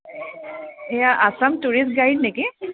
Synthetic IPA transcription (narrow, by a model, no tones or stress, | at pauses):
ejaʔasamtuɹis̚ɡajd̚neki